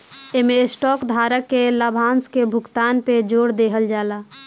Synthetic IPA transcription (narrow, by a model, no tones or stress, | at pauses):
emẽsʈɔːkd̪ʱaːɾəkːeləbʱãːnskebʱʊkt̪aːnped͡ʒoːɽd̪eːɦəld͡ʒaːlaː